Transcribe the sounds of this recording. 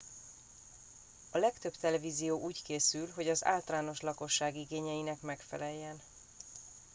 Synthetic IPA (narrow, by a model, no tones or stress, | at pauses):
ɒlɛkt̪ø̞bt̪ɛlɛviːzijoːʔuːckeːsylɦo̞ɟɒza̰ːlt̪ɒlaːno̞ʃlɒko̞ʃːaːɡiɡeːɲɛjinɛkmɛkfɛ̰lɛjːɛn